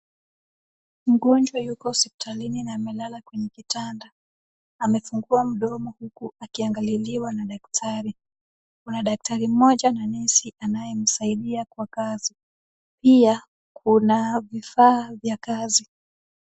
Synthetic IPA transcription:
m̩ɠɔnd͡ʒwajukɔsɛpi̥tʰalininaːmɛlalakwɛɲɛkitandaː | mɛfuŋɡuam̩ɗɔmɔhukuakiaŋɡaliliwanaɗak̚tʰaɾi | kunaɗak̚taɾim̩mɔʄananɛsiʔanajɛm̩saiɗiakwakazi | pia | kʰunavifaːvjakazi

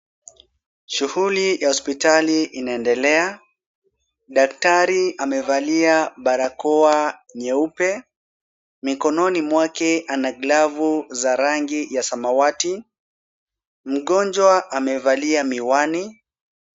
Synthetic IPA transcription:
ʃuhulijahɔspitaliʔinaɛndɛlɛa | ɗak̚taɾiamɛvaliaɓaɾakɔaɲɛupɛ | mikɔnɔnimwakɛʔanaɡlavuzaɾaŋɡijasamawati | m̩ɠɔnd͡ʒwaʔamɛvaliamiwani

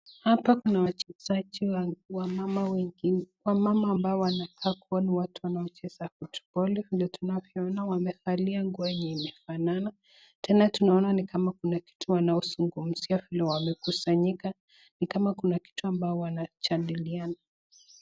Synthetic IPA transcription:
hapakunawat͡ʃɛzad͡ʒiwaamawwamamaːmbaɔwanakʰaːkuɔniwatuwanaɔt͡ʃɛz̥afutu̥pɔlɛvilɛtunavjɔɔnawamɛfaliaŋɡuaɛɲɛimɛfanana | tʰɛnatunaɔnanikʰamakunaki̥tʰuwanaɔzuŋɡum̩z̥iavilɛwamɛkusaɲika | nikamakunaki̥tuambaɔwanat͡ʃandiliana

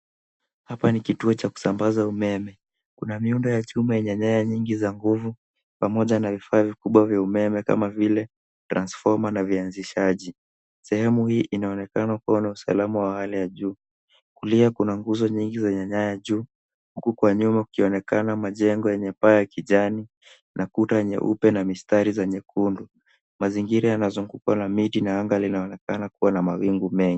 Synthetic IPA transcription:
hapanikituɔt͡ʃaku̥sambazaumɛmɛ | kunamiundɔjat͡ʃumajɛɲaɲajaɲiŋɡizaŋɡuvu | pamɔʄanavifaːvikuɓwavjaumɛmɛka̰mavilɛ | tɾansfɔɾmanavianziʃaʄi | sɛhɛmuhiːʔinaɔnɛkanakuwanausa̰lamawahalijaʄuː | kuliakunaŋɡuzɔɲiŋɡizaɲaɲajaʄuː | hukukwaɲumaukiɔnɛkanamaʄɛŋɡɔjɛɲɛpajakiʄani | nʔakutajɛɲɛ̰ʔṵpɛnamistaɾizɛɲɛkʰundu | maziŋɡiɾajanazuŋɡukwanamitinaaŋɡalinaɔnɛkanakuwanamawiŋɡumɛŋɡi

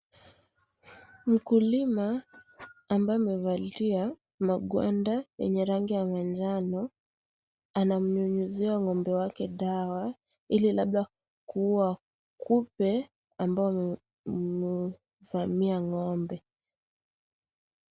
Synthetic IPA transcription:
m̩kulimaː | mbaɔmɛvatia | maɡwa̰ndajɛ̰ɲɛɾaŋɡijamand͡ʒanɔ | anam̩ɲuɲuziaŋɔmbɛwakɛɗawa | ililaɓɗa | kua | kʰupɛ | ambaɔ | mu | vamiaŋɔmbɛ

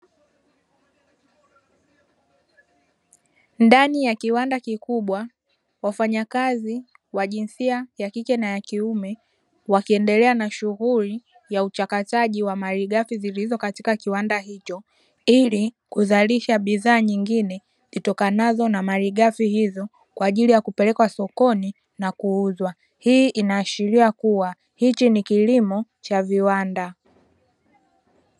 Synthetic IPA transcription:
ndanijakiwandakikuɓwa | wafaɲakazi | waʄinsiajakikɛnajakiumɛ | wakiɛndɛlɛanaʃuɣuli | jaut͡ʃakataʄiwamaliɠafizilizɔkati̥kakiwandaɦit͡ʃɔ | ili | kuzaliʃaɓiðaːɲiŋɡinɛ | zitɔkanazɔnamaliɠafihizɔ | kwaːʄilijakupɛlɛkwasɔkɔni | nakuuzwa | hiːʔinaːʃiɾiakuwa | hit͡ʃinikilimɔ | t͡ʃaviwanda

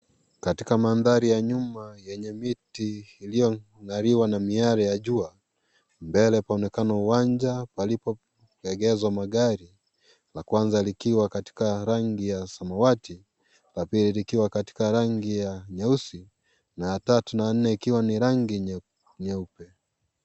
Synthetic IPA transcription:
katikamanðaɾijaɲumajɛɲɛmitiːlijɔ | ŋaɾiwanamiaɾajaʄua | mbɛlɛpaɔnɛkanauwaɲd͡ʒapalipɔ | ɛɡɛzwamaɠaɾi | lakwanzalikiwakati̥kaɾaŋɡijasamawati | lapililikiwakati̥kaɾaŋɡijaɲɛusi | najatatunan̩nɛikiwaniɾaŋɡiɲ | ɲɛupɛ

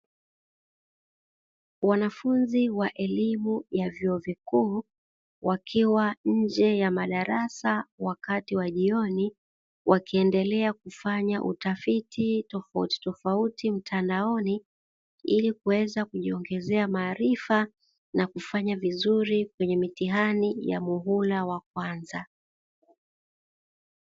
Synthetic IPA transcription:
wanafunziwaʔɛlimujavjɔɔvikuː | wakʰiwaɲ̩d͡ʒɛjamaɗaɾasawakatiwaʄiɔni | wʔakiɛndɛlɛak̚ufaɲaʔṵtafititɔfaṵti̥tɔfautim̩tʰandaɔni | ilikuwɛzakuʄiɔŋɡɛzɛamaːɾifa | nakufaɲavizuɾikwɛɲɛmitiɦanija̰muɦulawak̚wanza

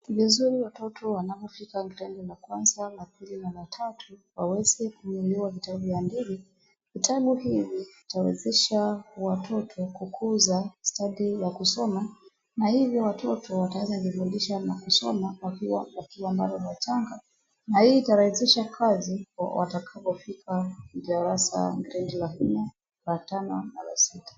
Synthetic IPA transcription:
vizuɾiwatɔtʰɔwanavɔfikaŋɡilɛndɛlakwanzalapilinalatʰatʰuwawɛzɛkumuluavitaɓujandivi | vitʰaɓuhiviitawɛ̰zɛʃawatʰɔtʰɔkukʰuzastaɗijakusɔma | nahivjɔwatʰɔtʰɔwatawɛzanvivundiʃanakusɔmawakiwawakiwambalɔlat͡ʃaŋɡa | nahiːtaɾaisiʃakʰazia̰wa̰takʰavɔfikʰavaɾasa̰ŋɡɛɾɛndilanɛ | latanɔna̰la̰sitḁ

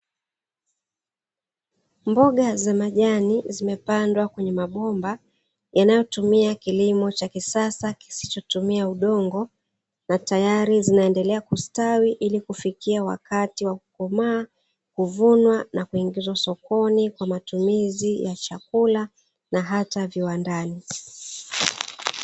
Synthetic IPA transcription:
mbɔɠazamaʄanizimɛpandwakwɛɲɛmaɓɔmba | janajɔtumiakilimɔt͡ʃakisasaki̥si̥t͡ʃɔtumiauɗɔŋɡɔ | natajaɾizinaɛndɛlɛakustawiʔilikufikiawa̰katiwakukɔmaː | kuvunwanakuiŋɡizwasɔkɔnikwamatumizijat͡ʃakula | naɦataviwandani

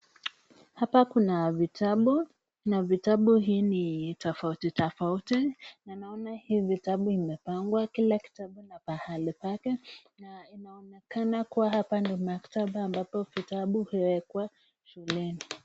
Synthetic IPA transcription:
hapakunavitaɓu | navitaɓuɦiːnitɔfautitɔfautinanaɔnahiːvitaɓuimɛpaŋɡwakilaki̥taɓunapahalipakɛ | nainaɔnɛkanakuwaɦapandimaktaɓaambapɔvitaɓuhiwɛkwa | ʃulɛni

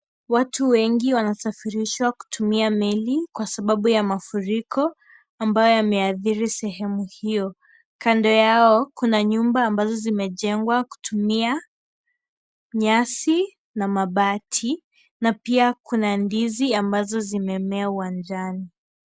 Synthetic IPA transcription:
watuwɛŋɡiwanasafiɾiʃwaku̥tʰumiamɛlikwasaɓaɓujamafuɾikʰɔ | ambajɔjamɛaθiɾisɛɦɛmuhijɔ | kandɔjaɔkunaɲumbaːmbazɔzimɛʄɛŋɡwaku̥tʰumia | ɲasi | namaɓatʰi | napiakʰunandiziambazɔzimɛmɛauwand͡ʒani

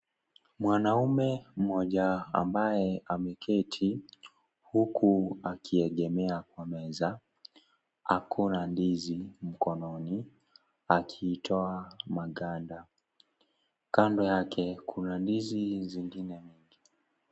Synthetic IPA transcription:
mwanaumɛm̩mɔʄaa̰mbajɛamɛkʰɛtʰi | hukʰuakʰiɛɠɛmɛakwamɛza | akʰunandizim̩kɔnɔni | akʰiːtʰɔamaɠanda | kandɔjakʰɛkʰunandiziziŋɡinɛɲiŋɡi

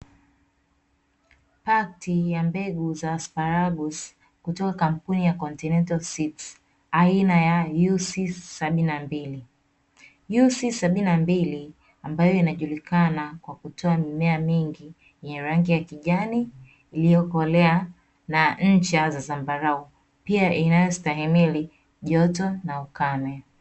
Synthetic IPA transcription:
patijambɛɡuzaːspaɾaɡus | kutɔkakam̩punijakɔntinɛntalsits | ainajajusisaɓininambili | jusisaɓininambili | ambajɔinaʄulikanakwakutʰɔamimɛamiŋɡi | jɛɲɛɾaŋɡijakiʄaniː | lijɔkɔlɛa | naɲ̩t͡ʃazazambaɾau | piaʔinajɔstaɦimili | ʄɔtɔnaukanɛ

